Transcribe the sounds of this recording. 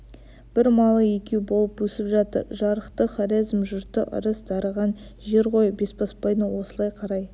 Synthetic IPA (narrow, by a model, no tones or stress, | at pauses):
b̥ɪɾmɑlˠəjekʲe̞wbo̞lˠəpwɵsɪpʒɑt̪ə̰ɾʒɑɾəqt̪əχɑɾizmʒʊɾt̪ə̰ʔə̰ɾəsd̪ɑɾəʁɑn | ʒe̞ɾqo̞jəbe̞sbɑspɑjnəwo̞səlˠɑjqʰɑɾɑj